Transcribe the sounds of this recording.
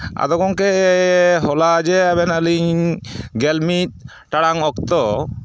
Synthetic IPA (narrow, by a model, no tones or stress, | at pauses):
a̰d̪ɔkɔŋke | ɦɔlad͡ʒɛaβbɛnaliɲɡɛlmit̪̚ | ʈaɽaŋɔkt̪ɔ